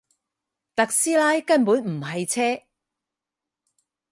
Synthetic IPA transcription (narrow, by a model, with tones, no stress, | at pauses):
t̪ɐ˨k̚siː˥laː˥jkɐ˥npuː˨˥nm̩˨˩ɦɐ˨jt͡sʰɛː˥